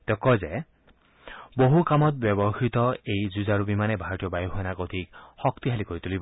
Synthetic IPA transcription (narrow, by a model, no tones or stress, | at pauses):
t̪ekɔze | boɦukamɔt̪̚bɔbɔxit̪ɔejzuzaɹubimanɛbʱaɹɔt̪ijɔbajɔxuɛnakod̪ʱik̚hɔkt̪iɦalikoɹit̪ulibɔ